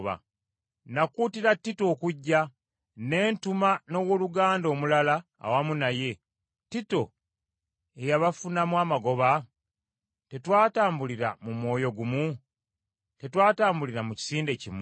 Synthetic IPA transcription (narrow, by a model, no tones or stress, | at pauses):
βa̰ | nakuːtiɾatːito̞ːkuɟːa | ne̞ːntumano̞woluɡaːndo̞ːmulala̰ːwamunaje̞ | tito̞ | e̞jaβafunamwaːmaɡo̞βa | te̞twaːtaːmbuliɾamumwo̞ːjo̞ɡumu | te̞twaːtaːmbuliɾamuci̥siːnde̞cim